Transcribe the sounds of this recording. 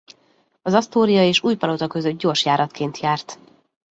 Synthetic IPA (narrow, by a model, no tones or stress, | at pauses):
ɒzɒst̪oːɾijɒeːʃuːjpɒlot̪ɒkøzød̪̚ɟo̞ːrʃjaːɾɒt̪keːnt̪ʰjaːrt̪